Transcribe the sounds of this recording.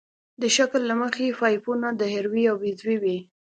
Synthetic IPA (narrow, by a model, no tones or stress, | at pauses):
d̪əʃaklːaməxefɑjpunad̪əɦɪɾwiawbizwiwi